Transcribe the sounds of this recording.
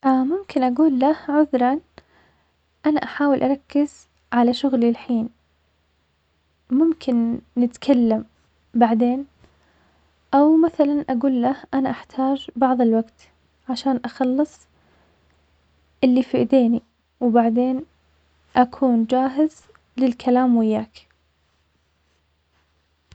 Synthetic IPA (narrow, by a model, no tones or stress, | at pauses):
ʔamʊmkɪnʔaɡuːlːahʕʊðɾˤɑn | ʔanaʔaħaːwɪlʔaɾˤɑkːɪz̥ | ʕalaʃʊɣlilħiːn | mʊmkʰɪnːɪt̪kʰalːam | baʕd̪eːn | ʔawmaθalanʔaɡuːlːahʔanaʔaħt̪ʰɑːd͡ʒbɑʕðˤɪlwaɡt̪ | ʕaʃaːnʔaxɑlːɨsˤ | ʔɪlːifiʔd̪eːni | wbaʕd̪eːn | ʔakʰuːnd͡ʒaːɦɪz | lɪlkʰalaːmwɪjːaːk